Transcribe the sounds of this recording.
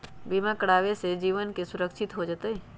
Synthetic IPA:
bimãkəɽaːʋesed͡ʒiːʋənkesʊɾəkʃɪt̪ɦod͡ʒat̪eɦɛ

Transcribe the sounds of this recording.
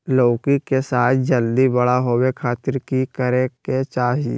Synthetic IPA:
loːkikesaːt̪ʰd͡ʒəld̪ibɐɽaɦowekʰaːt̪ɪɾkikəɾeket͡ʃaːɦie

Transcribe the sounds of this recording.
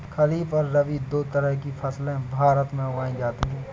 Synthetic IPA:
kʰɐliːfɔːɾːɐʋid̪oːt̪əɾəɦkifʰɐslẽbʱaːɾət̪mẽʊɡaːĩd͡ʒaːt̪iɦɛ̃ː

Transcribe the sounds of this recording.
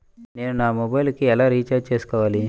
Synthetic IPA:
neɾnamobajlkialaɾit͡ʃat͡ɕeskaʋali

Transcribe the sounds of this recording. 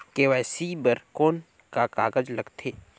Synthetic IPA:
keʋɛːsibəɾkoːn | kakaːɡəd͡ʒlɐɡt̪ʰeː

